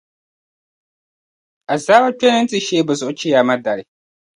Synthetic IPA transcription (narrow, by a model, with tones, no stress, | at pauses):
a˨za˦wa˦t͡ʃɛ˦nɛ˦n˦t͡si˨ʃeː˦bɨ˨zo˨˦t͡ʃi˦ja˨ma˦da˨ɾi˨